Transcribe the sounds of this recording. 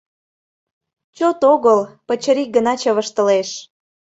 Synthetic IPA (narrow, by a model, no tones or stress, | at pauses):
t͡ɕot̪oɣəlpət͡ɕəɾik̚ɡənɑt͡ɕə̆βəʃt̪əleʃ